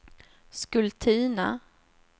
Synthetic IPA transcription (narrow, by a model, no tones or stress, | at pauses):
skɵlt̪ʰiːna̰